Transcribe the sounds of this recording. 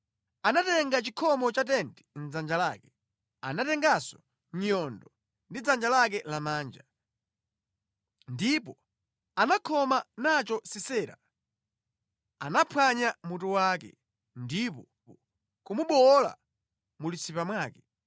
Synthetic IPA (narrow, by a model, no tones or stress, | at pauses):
anatɛŋɡat͡ʃikʰɔmɔt͡ʃat̬ɛnti̥n̩d͡zand͡ʒalaːkɛ̥ | a̰natɛŋɡasɔ | ɲɔndɔ | ndid͡zand͡ʒalak̬ɛlamaːnd͡ʒa | ndipɔ | anakʰɔmanat͡ʃɔsisɛːɾa̰ | anapʰwaɲamutuwakɛ̰ | ndipɔ | kumuɓɔla̰ | mulisipamwaːkɛ